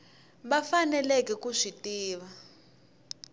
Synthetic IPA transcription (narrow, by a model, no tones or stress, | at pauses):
ɓafanɛlɛkɛkuʂitiːβa